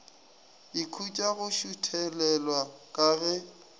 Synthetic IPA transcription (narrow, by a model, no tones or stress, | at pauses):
ɪkʰut͡ʃʼaɣʊʃutʰɛlɛlwakʼaɣɛ